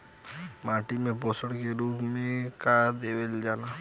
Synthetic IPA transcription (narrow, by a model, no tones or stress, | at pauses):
mãːʈimẽboːsəɽkeɾuːpmẽkaːd̪eːʋeld͡ʒaːnaː